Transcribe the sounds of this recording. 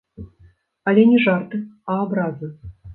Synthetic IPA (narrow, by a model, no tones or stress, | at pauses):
alʲɛnʲɛʐart̪ɨaːbɾazɨ